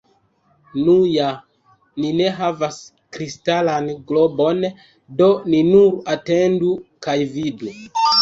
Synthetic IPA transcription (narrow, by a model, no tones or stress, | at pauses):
nuja | nine̞ɦavas | kɾistalanɡlobo̞n | do̞ninuɾate̞ndukajvidu